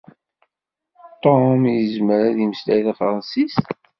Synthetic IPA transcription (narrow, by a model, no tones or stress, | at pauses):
t̪ˤomjəzməɾæðjəməslæjθæfɾˤɑnsis